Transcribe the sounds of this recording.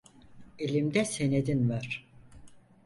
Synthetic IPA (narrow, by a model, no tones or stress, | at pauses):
elʲimd̪ɛsened̪invaɾ̥